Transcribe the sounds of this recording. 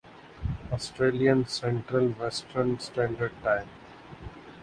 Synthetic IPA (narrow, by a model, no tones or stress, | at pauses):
ɔːsʈɾeːlijə̃nsɛ̃ɳʈɾəlʋɛsʈəɾnsʈæ̃ːɳɖəɾɖ̚ʈãɪ̃m